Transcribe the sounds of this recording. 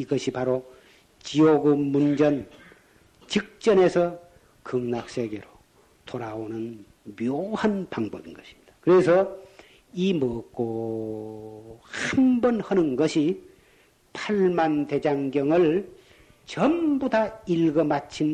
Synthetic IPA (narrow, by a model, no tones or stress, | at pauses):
iɡʌɕʰipaɾo | t͡ɕioɡumund͡ʑʌn | t͡ɕik̚t͡ɕ͈ʌne̞sʰʌ | kɯŋnak̚s͈ʰe̞ɡe̞ɾo | t̪oɾaonɯn | mjohanpaŋbʌbinɡʌɕʰi̥mɲid̥akɯɾesʰʌ | imʌk͈o | hambʌnhʌnɯnɡʌɕʰi | pʰaɭmande̞d͡ʑaŋɡjʌŋɯɭ | t͡ɕʌmbodailɡʌmat͡ɕʰin